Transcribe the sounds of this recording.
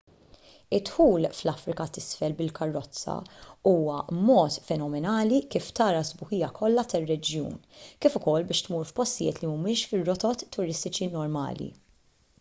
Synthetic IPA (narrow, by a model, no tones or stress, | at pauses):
ɪt̪ːħuːlflɐfɾɪkɐt̪ɪsfɛlbɪlkɐrːɔt͡sːɐ̰uːwɐmɔːt̪fɛnɔmɛnɐːlikiːft̪ɐːɾɐzbʊhɪjːɐkʰɔlːɐt̪ɐrːɛd͡ʒjṵːnkiːfʊkɔlːbɪːʃt̪muːɾfpɔst̪ɪjɪ̰ːt̪limʊmɪːʃfɪrːɔt̪ɔt̪ːʊɾɪst̪ɪt͡ʃinɔɾmɐ̰ːlḭ